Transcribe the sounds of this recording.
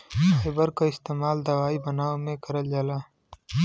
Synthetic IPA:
xɪbəɾkaɪst̪eːmaːld̪ɐwaːibɐnaːomẽkɐɾəld͡ʒalaː

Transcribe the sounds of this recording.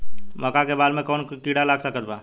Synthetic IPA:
məkakebaːɾmẽkɔːnkiɽalaːɡsəkət̪ba̰ː

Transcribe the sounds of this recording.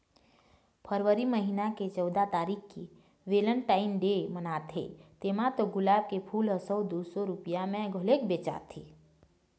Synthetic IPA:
pʰəɾʋəɾiməɦinaket͡ʃəwd̪at̪aːɾikki | ʋeləɳʈaːɪnɖemənat̪ʰḛt̪emãt̪oɡʊlaːb̚kepʰuːləsəwd̪usoɾupijamẽɡʱolekbet͡ʃa̰t̪ʰḭ

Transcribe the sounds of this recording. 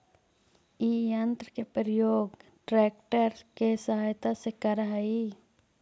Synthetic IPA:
iɐnt̪ɾəkepəɾəjoːɡʈɾeːk̚ʈəɾkesəɦaːjt̪asekɐɾɦai

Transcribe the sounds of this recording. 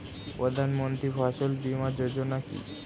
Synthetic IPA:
pɾod̪ʱanmont̪ɾifʰaʃolbimad͡ʑod͡ʑonakḭ

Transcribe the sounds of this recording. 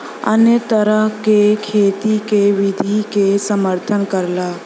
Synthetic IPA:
ə̰net̪əɾəɦkekʰeːt̪ikeʋɪd̪ʱikesəməɾt̪ʰənkəɾlaː

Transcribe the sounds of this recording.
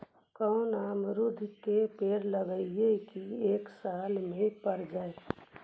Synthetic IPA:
kənamɾud̪ʱkepeːɾləɡəjekieːksaːlmẽpəɾd͡ʒae

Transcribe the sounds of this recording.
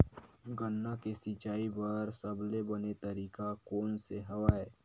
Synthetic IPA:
ɡənːakesɪt͡ʃaːibəɾsɐblebɐnet̪ɐɾiːkakɔːnseɦɐʋaːeː

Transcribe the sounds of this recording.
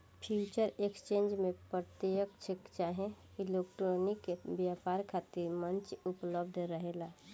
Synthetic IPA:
pʰut͡ʃəɾekst͡ʃẽːnd͡ʒmẽpɾət̪jəkt͡ʃʰɪkt͡ʃaɦɛ̃ | ilekʈɾonikebjapaːɾkʰaːt̪iɾmə̃nt͡ʃʊpləbd̪ʱɾəɦela

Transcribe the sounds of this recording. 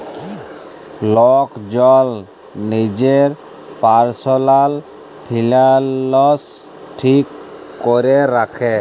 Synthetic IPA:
lɔkd͡ʒɔl | nid͡ʒeɹ | paɹsɔlal | pʰilalɔs | ʈʰikː | ɔɾɛɾakʰɛ

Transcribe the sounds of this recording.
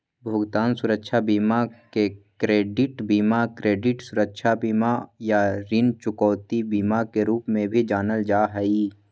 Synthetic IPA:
bʱʊɡt̪aːnsʊɾəkʃʰabiːmakekɾeːɖɪʈbiːmakɾeːɖɪʈsʊɾəkʃʰabiːmajaɾɪnt͡ʃʊkɔːt̪ibiːmakeɾuːpmẽbʱid͡ʒaːnəld͡ʒaːɦɛiː

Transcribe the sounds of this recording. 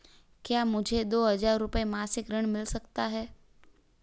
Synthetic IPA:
kjamʊd͡ʒʱed̪oɦəd͡ʒaɾːʊpemasɪkɾəɳ̃mɪlsəkt̪aɦɛː

